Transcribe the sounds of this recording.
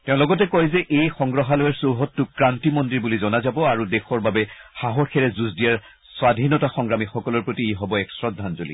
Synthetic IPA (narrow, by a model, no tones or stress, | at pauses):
tɛʊ̃lɔɡɔtɛkɔjzɛʔejxɔ̃ŋɡɹɔɦalɔjɛɹsoɦɔtːʊkɹantimɔndiɹbulizɔnazabɔaɹudɛxɔɹbabɛxaɦɔɹxɛɹɛzuzdijaɹ | swadʱinɔtaxɔŋɡɹamixɔkɔlɔɹpɹotiiɦɔbɔɛksɹɔdʱːanzolḭ